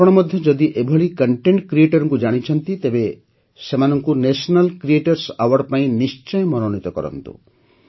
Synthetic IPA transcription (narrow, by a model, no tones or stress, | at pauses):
ɔɽ̃ɔmɔd̪ʱjɔd͡ʒɔd̪iʔebʱɔɭikɔɳʈeɳʈkɾieʈɔɾɔŋkud͡ʒaɽ̃it͡ʃʰɔnt̪it̪ebe | semanɔŋkunesɔnalkɾieʈɔɾsawaɾpaĩnist͡ʃɔjmɔnonit̪ɔkɔ̰ɾɔ̰nt̪ṵ